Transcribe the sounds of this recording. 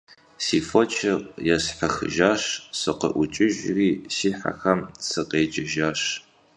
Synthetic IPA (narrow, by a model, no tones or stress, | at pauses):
siːfot͡ʃʰɐrjɛsħɐxɨ̰ʒaːɕsɨqə̰ʔʷʊt͡ʃʼɪʒriːsiːħa̰xɐmsɨqeːd͡ʒʼɪʒaːɕ